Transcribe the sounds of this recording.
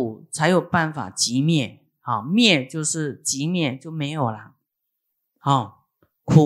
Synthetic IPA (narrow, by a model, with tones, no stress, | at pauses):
u˨˩t͡sʰa˧˥ɪjo˨˩ʊpa˥˩nfa̰˨˩t͡ɕi˧˥mjɛ˥˩ | hɑ˥˩mjɛ˥˧t͡ɕjo˥˧ʊʂɻ̩˥˩t͡ɕi˧˥mjɛ˥˧t͡ɕjo˥˩ʊme˧˥ɪjo˨˩ʊlə˦ | hɑ˧˩ | kʰu˨˩